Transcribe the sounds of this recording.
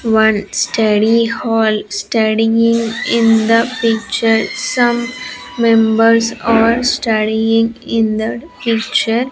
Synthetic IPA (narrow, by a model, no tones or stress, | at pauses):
ʋʌ̃nsʈʰʌɖihɔːlsʈʌɖiɪ̃ŋɡɪ̃nd̪əpik̚t͡ʃəɾsʌ̃mː | ẽmbəɾsaːɾsʈʌɖiɪ̃ŋɡɪ̃nd̪əpikt͡ʃəɾ